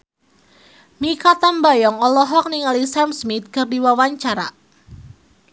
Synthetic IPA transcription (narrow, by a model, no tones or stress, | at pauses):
mikat̪ambajɔŋɔlɔɦɔk̚niŋalisamsmit̪̚kɨrdiwawaɲt͡ʃaɾa̰